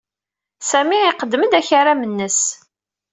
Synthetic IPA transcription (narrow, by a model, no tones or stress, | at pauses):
sæmiɪqəd̪ːməd̪æçaɾamənːəs